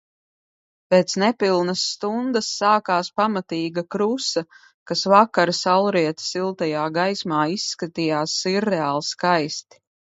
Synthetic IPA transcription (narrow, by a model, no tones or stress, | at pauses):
peːt̪snɛpilˠnɐsːt̪und̪ɐsːaːkaːspamat̪iːɡɐkɾusɐ | kasvakaɾsalˠɾiɛt̪silˠt̪ajaːɡajsmaːisːkat̪ijaːsiɾːɛaːlˠskajst̪i̥